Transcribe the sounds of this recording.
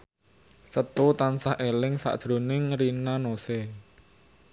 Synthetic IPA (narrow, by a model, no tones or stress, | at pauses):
sət̪ut̪ansahʔelɪŋsa̰ʔd̥ʒ̥ɾo̤nɪŋɾinanosɛ